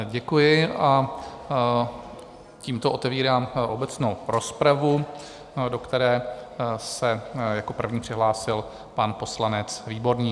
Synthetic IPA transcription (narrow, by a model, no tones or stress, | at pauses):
ɟɛkujɪʔa | ciːmt̪oʔo̞t̪ɛviːɾaːmʔo̞bɛt͡snowɾo̞spɾavu | dokt̪ɛɾɛː | sɛjako̞pr̩vɲiːpr̥ɪɦlaːsɪl | panpo̞slanɛt͡sviːbo̞ɾɲiː